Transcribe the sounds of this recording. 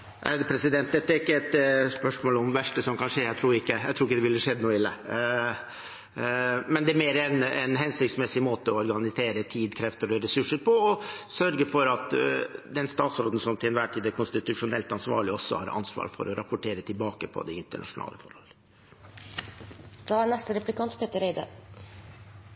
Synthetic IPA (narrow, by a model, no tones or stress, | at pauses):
ʔæ̰ɾd̪əpʰɾɛsɪd̪ɛnt̪d̪ɛt̪ːəæɾɪkːəɛt̪spœʂmoːlɔmʋæʂʈəsɔmkɑnʂeːæt̪ʰɾuːɾɪkːəæɪt̪ʰɾuːɪkːəd̪ɛʋɪlːəʂɛd̪ənuːɪlːə̰ | mɛnd̪ɛæmeːɾəɛnɛnɦɛnsʏk̪smɛsɪmoːt̪əɔɔɾɡɑnɪseːɾət̪ʰiːd̪kʰɾɛft̪əɾɔɾɛsʉʂəɾpʰɔɔsœɾɡəfɔɾɑt̪d̪ɛnst̪ɑːt̪sɾoːd̪n̩sɔmt̪ʰɪlɛnʋæːʈʰiːd̪ækʰʊnst̪ɪt̪ʉʂʊnɛlt̪ɑnsʋɑ̰ːɭɪɔsːɔ̰hɑ̰ɾʔɑ̰nsʋɑ̰ːɾfɔ̰ɾɔɾɑpʊʈʰeːɾət̪ʰɪlbɑːkəpʰɔ̰d̪ɛɪnt̪əɳɑ̰ʂʊnɑ̰ːləfɔɾhɔ̰lə | d̪̥ɑːænɛst̪əɾɛpʉlɪkʰɑnt̪pʰeːt̪əɾeɪd̪ə̰